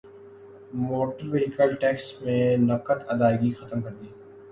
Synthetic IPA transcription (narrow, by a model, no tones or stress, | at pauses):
moːʈəɾʋeɦɪkəlʈɛːksmẽnɐkət̪ɐd̪aːɪɡixɐt̪əmkɐɾd̪iː